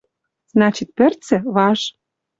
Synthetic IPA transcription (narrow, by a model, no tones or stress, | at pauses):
z̥nɑt͡ɕit̪̚pɘ̆rt͡sɘ̆βɑʃ